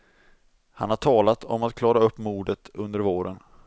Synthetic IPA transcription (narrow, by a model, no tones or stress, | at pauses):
ha̰nhaʈʰɑːlat̪ʰɔmat̪̚kʰlɑːɾaɵpːmuːɖət̪ɵnd̪əɾvoːɾən